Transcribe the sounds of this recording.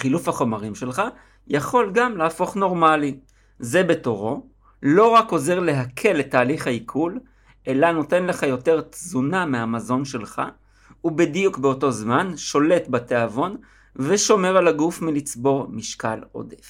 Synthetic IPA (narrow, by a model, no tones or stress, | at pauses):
χilufhaχo̞maʁimʃe̞lχa | jaχo̞lɡamlaːfo̞χno̞ʁmali | ze̞be̞to̞ʁo̞ | lo̞ʁako̞ze̞ʁle̞ɦakʰe̞letːaːliχhaikʰul | ʔe̞lano̞te̞nle̞χajo̞te̞ʁt̪zunameɦamazo̞nʃe̞lχa̰ | ubedijukbeoto̞zmanʃo̞le̞tbateavo̞n | veʃo̞me̞ʁalaɡufmilit͡sbo̞ʁmiʃkalo̞̰def